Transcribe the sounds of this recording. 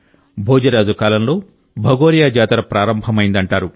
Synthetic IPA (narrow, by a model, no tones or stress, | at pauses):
bʱoːd͡ʒɐɾaːd͡ʒukaːlɐmlo̞ː | bʱɐɡoːɾijaːd͡ʒaːt̪ɐɾɐpɾaːɾɐmbʱɐmɐjind̪ɐɳʈaːɾu